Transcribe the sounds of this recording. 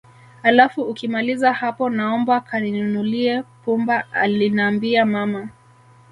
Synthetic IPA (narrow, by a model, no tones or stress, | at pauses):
halafuːkimalizahapɔnaɔmbakʰaninunuliɛpumbaa̰linaːmbiamama